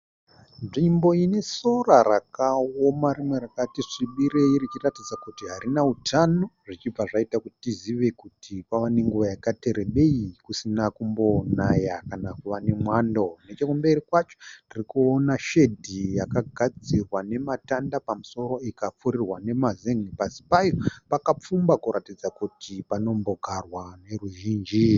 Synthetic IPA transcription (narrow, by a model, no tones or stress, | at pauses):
nʐimbo̞ine̞so̞rarakaomaɾimwe̞ɾakatiʂiɓiɾeirit͡ʃiratid͡zakutiɦaɾinautʰano̞ʐ̥it͡ʃib͡vaʐaitakutitiziʋekutʰikwaʋane̞ŋɡuʋajakate̞ɾe̞ɓe̞ikusinakumbo̞najakanakuʋane̞mwando̞net͡ʃekumbe̞ɾikwat͡ʃo̥ndirikuonaʃe̞dʱijakaɡʱad͡zirwane̞matandapamuso̞ɾo̞ikap͡fuɾirwane̞mazeŋipasi̥pajo̞pakap͡fumbakuɾatid͡zakutʰipano̞mbo̞ɡʱarwane̞ruʒiːnd͡ʒi